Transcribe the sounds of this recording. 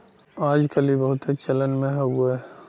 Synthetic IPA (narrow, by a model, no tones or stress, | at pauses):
aːd͡ʒkəlibəɦʊt̪et͡ʃələnmẽɦɛɡue